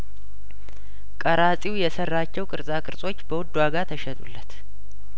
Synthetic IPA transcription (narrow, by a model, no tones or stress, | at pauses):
kʼəɾasʼiwjɛsərːat͡ʃːɛwkʼɨɾsʼakʼɨɾsʼo̞t͡ʃːbəwʊd̪ːwaɡat̪ʰəʃɛt̪ʼulːət̪